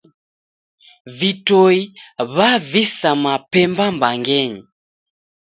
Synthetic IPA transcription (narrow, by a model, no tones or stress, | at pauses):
vitɔiβavisamapɛmbambaŋɡɛɲi